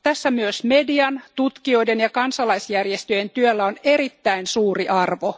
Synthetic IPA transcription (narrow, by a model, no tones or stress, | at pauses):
t̪æsːæmyøsmediɑnt̪ut̪kio̞idenjɑkɑnsɑlɑisjærjest̪øjent̪yølːæonerit̪ːæinsuːriʔɑrʋo